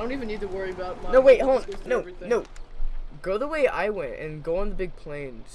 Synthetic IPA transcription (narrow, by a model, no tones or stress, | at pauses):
õʊ̃ntivɨ̃nːid̚tʰɨwɜ˞iɨbaʊt̚mnoʊweɪt̚hõʊ̃mnoʊnoʊ | ɡ̥oʊðəweɪʔa̰ɪwɛ̃ntɨ̰̃nɡoʊə̃nðəbɪɡ̚pʰl̥ẽɪ̃nz̥